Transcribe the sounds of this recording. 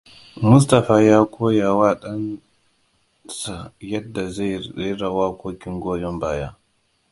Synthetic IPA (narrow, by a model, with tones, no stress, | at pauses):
mu˦s̬ta˨faː˨ja˦kʰʷo˦ja˨wa˦ɗa˦n | sa˨jɐ˦dːa˨za˦je˦˨˦ɾa˨wa˦kʷoː˦kʲi˦ŋɡoː˦jɔ˦mbaː˨ja˦